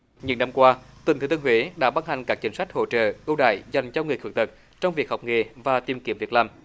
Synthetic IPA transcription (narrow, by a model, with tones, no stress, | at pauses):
ɲɨ̰˧˦ŋna˧mkwaː˧t̪wə˨˩t̪ʰɨ˨˦t̪ɨ˧ŋɦwḭ˧˦ɗa̰ː˧˥ɓa˧nha˨˩jŋ̟kaː˦˥k̚t͡ɕï˨˦ŋ̟sa˦˥jk̚ho̰˧˨t͡ɕə̰ː˧˨ʔə˧wɗa̰ː˧˨jza˨˩jŋ̟t͡ɕɔ˧wŋɨ˨˩əkɨ˨˩ŋ̚t̪ɨ˨˩t̚ | t͡ɕɔ˧wŋ͡mvi˨˩ək̚ha˨˩wk͡p̚ŋḛ˧˨˩vaː˨˩t̪i˨˩əmki˨˧˥əmvi˨˩ət̚laː˨˩m